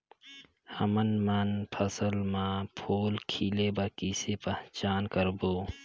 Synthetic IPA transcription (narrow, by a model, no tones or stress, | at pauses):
həmənmənpʰəsəlmãpʰoːlkʰiːlebəɾkisepəɦt͡ʃaːnkəɾboː